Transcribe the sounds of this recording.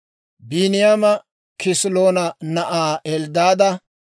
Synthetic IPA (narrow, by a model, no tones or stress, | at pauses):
binɪjamɐ | kɪsɪlo̞ːnɐnɐʔaːɛld̪aːd̪ɐ